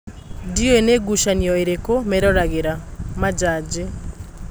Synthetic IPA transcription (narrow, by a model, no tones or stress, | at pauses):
diweneɡuʃanjɔeɾekomɛɾɔɾaɣeɾamad͡ʒad͡ʒe